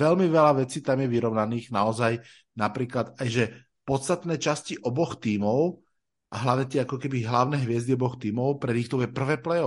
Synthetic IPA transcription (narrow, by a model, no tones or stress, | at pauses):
ɛlmiʋɛlaʋɛt͡siːt̪amjɛʋiɾɔʊnaniːɣnaɔzaj | napɾiːklad̪ajʒɛ | pɔt̪st̪at̪nɛːt͡ʃasciʔɔbɔxt̪iːmɔʊ | ʔaɦlaʋɲɛt̪ɪɛakɔkɛbiɦlaʊnɛːɦʋɪɛzd̪iɔbɔxt̪iːmɔʊpɾɛd̪ixt̪ɔʊjɛpr̩ʋɛːplɛjɔ